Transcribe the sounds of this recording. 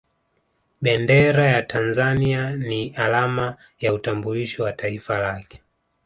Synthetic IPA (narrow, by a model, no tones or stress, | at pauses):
ɓɛndɛɾajatʰanzanianialama | jautambuliʃɔwataifalakɛ̥